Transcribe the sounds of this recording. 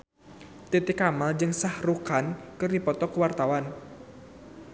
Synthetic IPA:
t̪et̪iekamald͡ʒɨŋsahrukankɨrdipɔt̪ɔkəwart̪awan

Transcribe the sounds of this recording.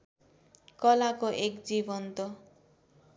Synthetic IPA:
kɔlakɔʔekd͡ʒibɔnt̪ɔ

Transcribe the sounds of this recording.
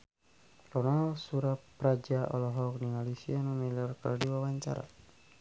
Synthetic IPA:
rɔnalsuɾappːɾad͡ʒaʔɔlɔɦɔk̚nimalisianumɛlɔrkərdiwawaɲt͡ʃa̰ɾa̰

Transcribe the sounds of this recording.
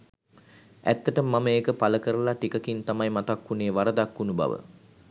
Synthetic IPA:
æ̰t̪ːəʈəmːaməeːkəpaləkəɾəlaʈikəkint̪amajmat̪akːuneːʋaɾəd̪akːunuba̰ʋə̰

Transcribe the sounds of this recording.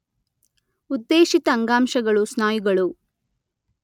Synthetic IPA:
ud̪ːeːʃit̪ɐːŋɡaːmʃɐɡɐɭusnaːjiɡɐɭu

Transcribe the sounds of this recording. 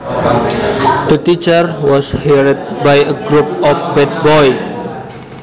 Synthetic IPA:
t̪ət̪it͡ʃərwɔshɛɾid̪̚bajəɡɾup̚ɔfbɛd̪̚bɔj

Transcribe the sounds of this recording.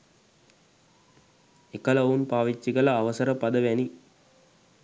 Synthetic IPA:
ekɐlɐunpaːʋit͡ʃːiɡɐlɐːʋɐsɐɾəpɐd̪ɐʋɛni

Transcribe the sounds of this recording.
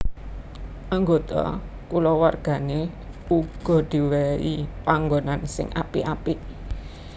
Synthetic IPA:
ʔaŋɡot̪ɔ̰kulɔwarɡ̥a̤ne | uɡ̥ɔ̤d̪̥i̤weɾḭpaŋɡonansɪ̰ŋʔa̰piʔapi

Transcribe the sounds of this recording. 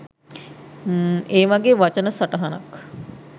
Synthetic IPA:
eːʋaɡeːʋat͡ʃənəsaʈəɦɐnɐ̰k

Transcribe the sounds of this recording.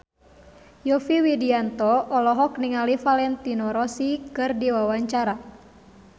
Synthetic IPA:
jɔfiwidiant̪ɔɔlɔɦɔkniŋalifalɛnt̪inɔɾɔsikɨrdiwawaɲt͡ʃaɾa

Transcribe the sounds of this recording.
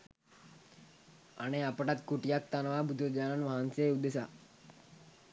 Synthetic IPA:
a̰ɽ̃eapəʈat̪kuʈijak̚t̪anəʋabud̪ʱəd͡ʒananʋaɦanseud̪esa

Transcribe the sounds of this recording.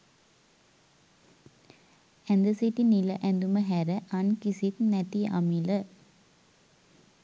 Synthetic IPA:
ɛnd̪əsit̪iniləʔɛnd̪uməɦæɾəʔɐnkisit̪nɛt̪ia̰milə

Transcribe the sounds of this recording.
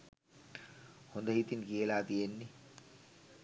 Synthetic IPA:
hond̪ɐɦit̪inkeːlaːt̪ijenːi

